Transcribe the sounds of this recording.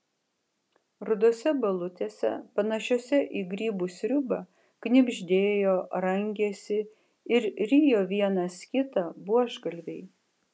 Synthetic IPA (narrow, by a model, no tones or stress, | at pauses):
ɾʊd̪oːsʲɛbɐlˠʊt̪ʲeːsʲɛ̰pɐnɐʃʲoːsʲɛʔiːɡɾʲiːbuːsʲɾʲʊbɐ | knʲɪbʲʒʲd̪ʲeːjoːɾɐŋʲɡʲeːsʲɪ | ɪɾɾʲiːjoːʋʲiɛnɐskʲɪt̪ɐbuɔʒɡɐlʲʋʲɛɪ